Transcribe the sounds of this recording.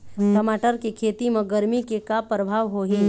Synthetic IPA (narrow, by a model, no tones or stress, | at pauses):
kɐmaːʈəɾkikʰeːt̪imẽɡəɾmikekapɾəbʱaːʋɦoːɦĩ